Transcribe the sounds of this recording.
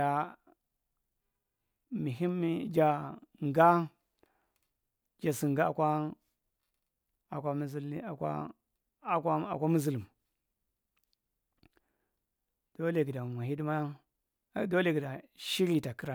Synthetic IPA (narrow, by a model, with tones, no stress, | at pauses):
a˨ | mi˨ɦi˦mi˦d͡ʒa˨ŋɡa˦ | d͡ʒa˨si˨ŋɡa˦a˨kʷa˦ | a˨kʷa˦mi˦zi˦la˨kʷa̰˦˨ | ka˦a˨kʷa˦mu˦zi˨li˨m˨ | d̥o˦le˨ɡi˨da˨mʷa˨hi˦di˦ma˦ | do˦le˦˨ɡi˨da˨ʃi˦ɾi˦ta˨ki˦ɾa˨